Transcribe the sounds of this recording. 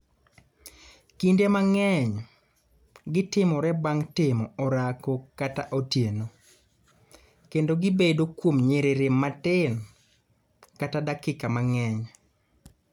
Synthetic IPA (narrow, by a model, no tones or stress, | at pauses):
kindemaŋɛɲ | ɡɪtɪmɔɾɛbaŋtɪmɔɔɾakokataʔotjeno | kendoɡɪbedokwomɲeɾeɾematɪn | katadakɪkamaŋɛɲ